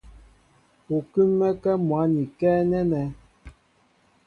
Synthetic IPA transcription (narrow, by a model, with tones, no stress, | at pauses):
o˨kʉ˦mːɛ˦kɛ˦mwa˨˦ni˨kɛ˦nɛ˦nɛ˨˦